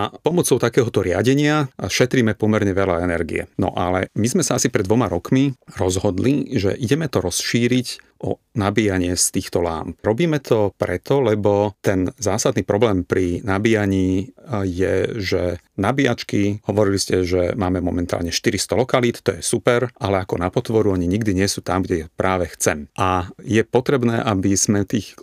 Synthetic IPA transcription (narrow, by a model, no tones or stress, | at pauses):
apɔmɔt͡sɔʊt̪akɛːɦɔt̪ɔɾɪa̰ɟɛɲɪaʃɛt̪ɾiːmɛpɔmɛɾɲɛʋɛlaɛnɛɾɡḭɛ̰nɔ̰ʔalɛmizmɛsaasipɾɛd̪ʋɔmaɾɔkmiɾɔzɦɔd̪liʒɛ̰ʔiɟɛmɛt̪ɔɾɔsʃiːɾicʔɔ̰ | nabiːjaɲɪɛst̪iːxt̪ɔla̰ːmpɾɔbiːmɛt̪ʰɔpɾɛt̪ɔlɛbɔt̪ɛnzaːsad̪niːpɾɔblɛːmpɾinabijaɲiːjɛʒɛ | nabia̰t͡ʃkihɔʋɔɾiliscɛʒɛmaːmɛmɔmɛnt̪a̰ːlɲɛʃt̪iɾist̪ɔlɔkaliːt̪t̪ɔjɛsupɛɾʔalɛakɔnapɔt̪ʋɔɾuaɲiɲiɡd̪iɲɪɛsuːt̪amɡɟɛjpɾʔaːʋɛxt͡sɛmʔajɛpɔt̪ɾɛbnɛːʔabiz̥mɛt̪iːx